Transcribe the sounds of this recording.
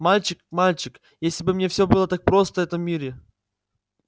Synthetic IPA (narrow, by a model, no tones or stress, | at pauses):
malʲt͡ɕɪkmalʲt͡ɕɪk | jesʲlʲɪbɨmnʲe̞fsʲɵbɨlˠət̪ak̚pɾo̞st̪əvɛt̪əmːʲiɾʲɪ